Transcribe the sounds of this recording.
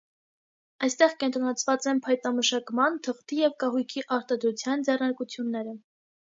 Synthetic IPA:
ɑjst̪ɛʁkɛnt̪ɾɔnɑt͡sʰvɑt͡sɛnpʰɑjt̪ɑməʃɑkmɑnt̪ʰəχt̪ijɛvkɑɦujkʰiʔɑɾt̪ɑd̪ɾut͡sʰjɑnd͡zɛrnɑɾkut͡sʰjunːɛɾə

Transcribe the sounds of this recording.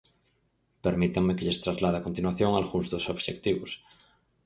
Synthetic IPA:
peɾmit̪aŋmekeʎest̪ɾazlað̞akont̪inwaθjoŋalɣuŋzðosoβʃekt̪iβos

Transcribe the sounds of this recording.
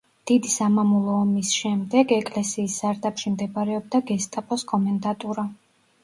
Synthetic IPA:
d̪̥id̪isamamulˠɔːmisʃɛmd̪ɛɡɛkʼlɛsiːsz̥aɾd̪apʃimd̪ɛbɾɛɔb̚d̪aɡɛst̪ʼapʼɔskʼɔmɛnd̪at̪ʼuɾa

